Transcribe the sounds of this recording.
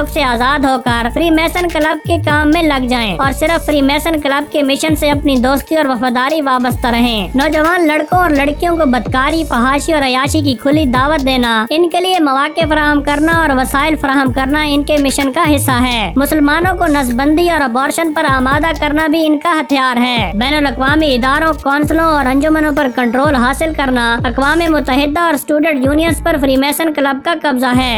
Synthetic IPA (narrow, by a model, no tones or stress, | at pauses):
ʊkseaːzaːd̪ɦoːkəɾpɾiːmɛːsənkələb̚kekaːmːẽlɐɡd͡ʒaːẽːɔːɾsɪɾəfːɾiːmɛːsənkələb̚kemɪʃənseɐpnid̪oːst̪iɔːɾʋɐfaːd̪aːɾiʋaːbəst̪ɾɐɦẽːnɔːd͡ʒɐʋaːnlɐɽkõɔːɾlɐɽkijõkobɐd̪kaːɾipɐɦaːʃiɔːɾɐjaːʃik̬ikʰʊlid̪aːʋət̪̚d̪eːnaɪnkeliemɐʋaːkefɐɾaːɦəmkɐɾnaɔːɾʋɐsaːɪlfɐɾaːɦəmkɐɾnaɪnkemɪʃənkaɦɪsːaɦɛːmʊsəlmaːnõkonɐsbə̃nd̪iɔːɾɐpɔːɾʃənpɐɾaːmaːd̪akɐɾnabʱiɪnkaɦɐt̪ʰjaːɾɦɛːbɛːnəlɐkʋaːmiɪd̪aːɾõkɔːnslõɔːɾɐ̃ɲd͡ʒʊmənõpɐɾkɐ̃ɳʈɾoːlɦaːsɪlkɐɾnaɐkʋaːmemʊt̪ːəɦɪd̪ːaɔːɾsʈuːɖə̃ɳʈjuːnijənspɐɾfɾiːmeːsənkləb̚kakɐbzaɦɛː